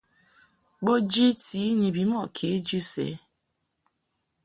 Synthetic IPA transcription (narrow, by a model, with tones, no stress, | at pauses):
ɡ͡bo˦d͡ʒi˦ti˨˦ɲi˨bi˨mɔ˦˨kʰe˨˦d͡ʒu˦sḛ˨˦